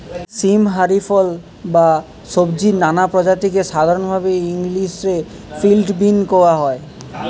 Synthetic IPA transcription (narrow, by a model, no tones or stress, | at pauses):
simɦaɾifɔl | ba | ʃobd͡ʑinanapɾod͡ʑat̪ikeʃad̪ʱaɾonbʱabeiŋliʃɾe | filʈbinkoaɦɔe